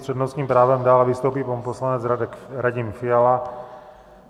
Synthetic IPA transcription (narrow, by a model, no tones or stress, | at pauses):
t͡ʃɛd̪nɔʊskiːmpɾaːʋɛmd̪aːlaʋist̪upipɔmpɔslaɲɛd͡zɾaɾaɟimfiala